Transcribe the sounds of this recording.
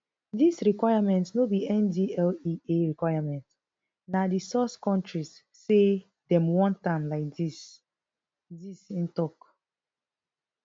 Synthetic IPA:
disɹikwajamɛ̃ntsnobiɛ̃ndiɛlieɹikwajamɛ̃nt | nadisɔskɔ̃ntɹisː | e | dɛ̃mwɔ̃ntãmlaɪk̚dis | disĩntɔk

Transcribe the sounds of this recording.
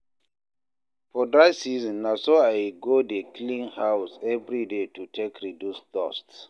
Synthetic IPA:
fɔdɹajsiznːasoajɡodeklĩnhawsɛvɹidetutʰekɹidjuskɔ̰st

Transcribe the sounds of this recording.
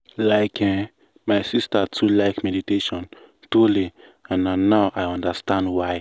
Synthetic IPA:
laɪkʰɛ̃ | maɪsistatʰulaɪkmɛditeʃɔ̃n | tuli | ãnanːaʊʔaɪɔ̃ndəstãndwaɪ

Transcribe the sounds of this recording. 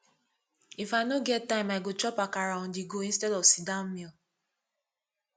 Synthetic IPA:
ifanoɡɛt̚tːaĩmaɡot͡ʃɔpakaɾaũdiɡoĩnstɛdɔvsidammil

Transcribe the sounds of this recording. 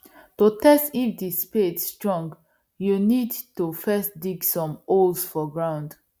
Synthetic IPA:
tutɛstifdispetstɹɔ̃ŋɡ | junidtufɛsdiɡsɔ̃molsfɔɡɹãʊ̃nd

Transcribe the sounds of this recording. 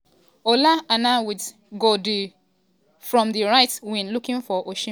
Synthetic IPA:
olaanawid | ɡodu | fɹɔ̃mdiɹaɪtwĩnlukĩnfɔʔoʃĩ

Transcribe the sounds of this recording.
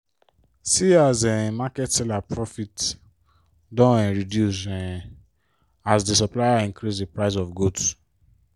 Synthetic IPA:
siazɛmakɛtsɛlapɹɔfit | dɔ̃ɛ̃ɹidjus̬ɛ̃ | asdesɔplajaĩŋkɾisepɹaɪs̬ɔfɡods

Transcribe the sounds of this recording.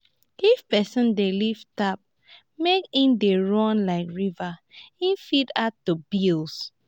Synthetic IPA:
ifpɛsə̃ndeliftap̚ | mekĩmdeɹɔ̃nlaɪkɹivaĩfidatubilˠs

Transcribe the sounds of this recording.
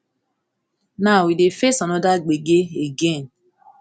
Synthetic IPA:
nawidefesɔnɔdaɡ͡beɡeeɡen̩

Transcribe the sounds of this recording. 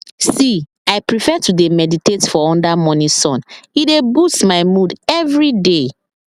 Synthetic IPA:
si | aɪpɹifɛtudemɛditetfɔɔ̃ndamɔnĩsɔ̃nidebustmaɪmudɛvɹide

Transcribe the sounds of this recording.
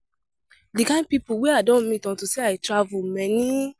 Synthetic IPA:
dikãpipoweadɔ̃nmĩtɔ̃ntuseajtɾavumɛnĩ

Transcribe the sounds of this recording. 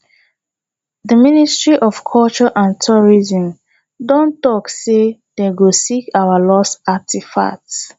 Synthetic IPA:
dəministɹiʔɔfkʰɔlt͡ʃɔʔãntʰuɹizə̃m | dɔ̃ntɔksed̥eɡosikawalɔsak̚tifa̰ts

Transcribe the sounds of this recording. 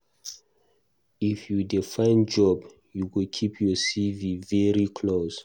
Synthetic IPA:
ifjudifãɪ̃nd͡ʒɔb | juwilkʰipʰjɔsivivɛɹikʰlos

